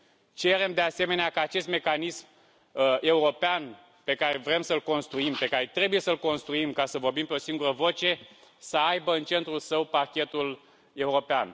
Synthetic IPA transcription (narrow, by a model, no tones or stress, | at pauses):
t͡ʃe̞ɾe̞md̪e̞ase̞me̞neakaːt͡ʃe̞st̪me̞kanism | e̞uɾo̞pean | pe̞kaɾe̞vɾe̞msəlko̞nst̪ɾuimpe̞kaɾe̞t̪ɾe̞buje̞səlko̞nst̪ɾuimkasəvo̞rbimpe̞o̞siŋɡuɾəvo̞t͡ʃe̞ | səajbəɨnt͡ʃe̞nt̪ɾulsəwpakʲe̞t̪ul | e̞uɾo̞pean